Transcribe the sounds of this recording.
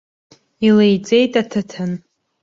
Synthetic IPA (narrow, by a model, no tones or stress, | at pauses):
ilejd͡zʼe̞jtʼatʰatʰɨn